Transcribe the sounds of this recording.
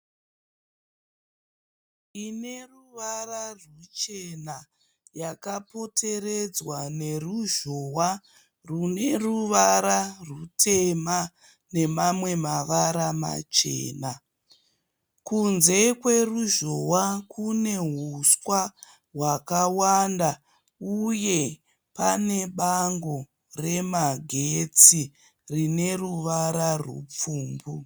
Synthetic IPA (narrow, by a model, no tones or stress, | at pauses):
ine̞ruʋararut͡ʃe̞na | jakapo̞tʰe̞red͡zwane̞ruʒo̞wa | rune̞ruʋaɾarutʰe̞ma | ne̞mamwe̞maʋaɾama̰t͡ʃḛːna | kunze̞kwe̞ruʒowakune̞ɦuswa | ɦwakawanda | uje̞ | pane̞ɓaŋɡo | re̞maɡʱe̞t͡si | rine̞ruʋaɾarwṵp͡fuːmbu